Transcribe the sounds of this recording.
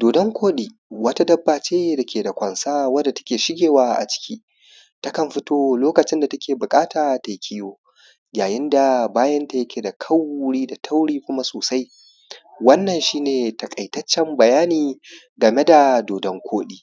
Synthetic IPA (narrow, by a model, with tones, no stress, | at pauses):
doː˨dɔ˦ŋkʷʰoː˦ɗiː˨˦ | wɐ˦ta˦dɐ˦bːaː˨t͡ʃeː˦da˨kʲeː˨da˨kʷɐ˨nsaː˦wɐ˦rda˨tɐ˦kʲeː˨ʃɪ˦ɡʲeː˨waː˦ʔa̰˨t͡ʃɪ̥˦kʲʰiː˦ | tɐ˦kɐ˨mɸɪ˦toː˦loː˦kɐ˨t͡ʃɪ˦nda˨tɐ˦kʲeː˨bʊ˨kʼaː˦taː˨ta˨jkʲʰɪ˦joː˦ | jaː˨jɪ˦nda˨baː˦jɐ˦nta˨jɐ˦kʲe˨da˨kʰɐ˦wɽiː˦da˨tʰa˦wɽiː˦kʷʊ˦ma˦soː˨sa˦j | wɐ˦nːɐ˨nʃiː˦neː˨tɐ˨kʼɐ˨jtɐ˦t͡ʃːɛ˦mbɐ˨jaː˦niː˨ | ɡɐ˨me˦da˨doː˨dɔ˦ŋkʷʰoː˦ɗiː˦